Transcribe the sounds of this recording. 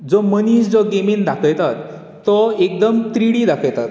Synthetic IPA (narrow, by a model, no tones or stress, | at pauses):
d͡zɔmənisd͡zɔɡemind̪akʰəjt̪at̪ː | ɔek̚d̪əmt̪ɾiɽid̪akʰəjt̪at̪̚